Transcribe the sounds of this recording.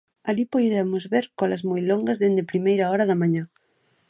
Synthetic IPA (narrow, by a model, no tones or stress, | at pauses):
alipojðemozβeɾkɔlazmojloŋɡazðend̪epɾimejɾaɔɾaðamãɲa